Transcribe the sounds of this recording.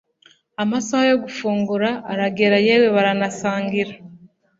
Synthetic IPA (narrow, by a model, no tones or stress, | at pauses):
amasahajo̞ɡufuːŋɡuɾaːɾaɡeɾajeweβaɾanasaːŋɡiɾa